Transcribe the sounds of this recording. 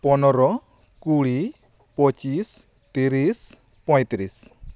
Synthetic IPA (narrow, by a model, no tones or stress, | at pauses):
pɔnɔɾɔ | kuli | pɔt͡ʃis | t̪iɾis | pɔjt̪ɾis